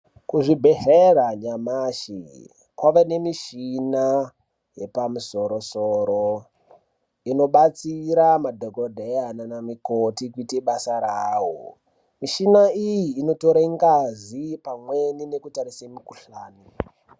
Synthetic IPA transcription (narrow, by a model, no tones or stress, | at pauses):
kuʐibʱe̞ɦeraɲamaːʃḭ | kwaʋane̞miʃina | je̞pamuso̞ɾo̞soːɾo | ino̞ɓat͡siɾamadʱokodʱeananamikotikuiteɓasaɾaːwo | miʃinaijiːno̞to̞ɾaiŋɡazipamwe̞nine̞kutaɾisemikuɬaːni